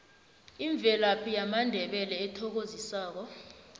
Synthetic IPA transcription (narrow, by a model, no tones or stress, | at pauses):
iɱb̪vʱɛlapʰijamandʱɛɓɛlɛːtʰɔk̬ozisaːk̬ɔ